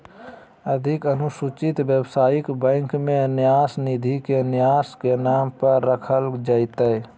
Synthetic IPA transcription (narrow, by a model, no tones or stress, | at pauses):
əd̪ʱɪkənʊsut͡ʃɪt̪bjəbsaːikbə̃ŋkmẽnɪjaːsnid̪ʱikenɪjaːskenaːmpəɾːəkʰəld͡ʒəɪt̪əj